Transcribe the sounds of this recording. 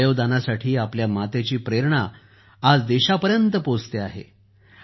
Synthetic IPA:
joʋd̪anasaʈʰiːapljamat̪et͡ɕiːpɾeɾɳa | ad͡zd̪eɕapəɾjənt̪əpod͡zt̪eaɦḛ

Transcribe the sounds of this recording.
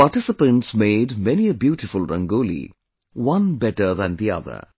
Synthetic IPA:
paːʈɪsɪpə̃nʈsmeːɖmɛniəbjuːʈɪfʊlɾʌ̰̃ŋɡoːlḭ | wʌ̃nbɛʈəɾðæ̃nd̪iʌ̰ðə̰ɾ

